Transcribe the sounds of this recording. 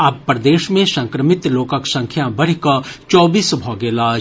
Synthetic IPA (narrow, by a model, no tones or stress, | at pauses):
ɐpːɾd̪eːʃmẽsɐ̃ŋkɾəmɪt̪loːkəksɐ̃ŋkʰjabɐɽ̤ikɐt͡ʃɔːbiːsbʱɔːɡeːlaːd͡ʒ